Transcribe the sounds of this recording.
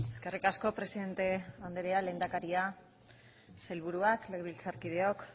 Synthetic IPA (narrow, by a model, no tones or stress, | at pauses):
e̞ske̞rikasko̞pɾe̞siðe̞nt̪e̞and̪eɾeale̞ːnd̪akaɾia | se̞lβ̞uɾuakleɣβilt͡saɾkið̞e̞o̞k